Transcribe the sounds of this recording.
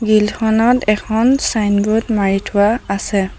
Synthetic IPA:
ɡilxʰɔnɔtɛkʰɔnsajnbutmaɹitʰʊwaːsɛ

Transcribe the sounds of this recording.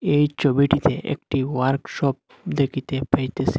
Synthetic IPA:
eit͡ʃɔbiʈit̪eʔḛk̚ʈiʋaɾkʃɔp̚ | d̪ekʰit̪epʰɐjt̪esi̥

